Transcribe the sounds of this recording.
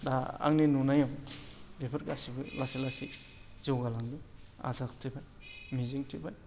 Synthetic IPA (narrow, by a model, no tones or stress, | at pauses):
daa̰ŋnenunajawdepʰɐɾkasibɯlasilasi | zowɡalaŋdua̰zaktʰibaj | miziŋtʰibaj